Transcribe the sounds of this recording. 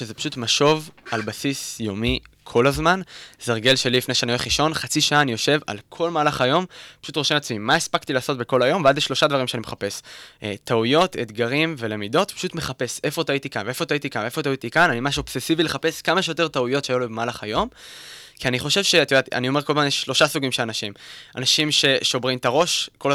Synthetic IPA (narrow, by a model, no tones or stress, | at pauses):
ʃezepḁʃutmaʃo̞valbasisjo̞mikʰo̞lazmanz̥aʁɡe̞lʃe̞lilifne̞jʃeanioχiʃo̞nχat͡siʃaʔaːnijo̞ʃe̞va̰lkʰo̞lmaːlaχajo̞mpaʃutʁo̞ʃemat͡smimːaespakt̪ilaːso̞t̚be̞ko̞lajo̞mvead̪jeʃlo̞ʃadvaʁimʃeanimeχape̞sʔḛt̪aujo̞t̪et̪ɡaʁimve̞le̞mido̞tpḁʃutme̞χape̞se̞fot̪ait̪ikanveefo̞t̪ait̪ikanveefo̞t̪auit̪ikananimaʃ̬uob̥se̞sivile̞χape̞skamaʃejot̪e̞t̪aujo̞tʃeajulobemaːlaχajo̞m | kianiχo̞ʃe̞vʃe̞t̪jd̪at̪ia̰nio̞me̞ʁko̞lbamjeʃʃlo̞ʃasuɡimʃe̞lanaʃima̰naʃimʃe̞ʃo̞bʁimt̪aʁo̞ʃko̞l